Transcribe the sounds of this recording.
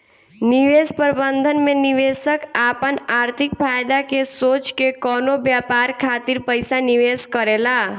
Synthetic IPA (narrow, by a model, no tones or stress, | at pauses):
niʋespəɾbənd̪ʱənmeniʋesəkapənaɾt̪ʰikpʰajd̪akesot͡ʃkekɔnobjapaɾkʰat̪iɾpəjsaniʋeskəɾela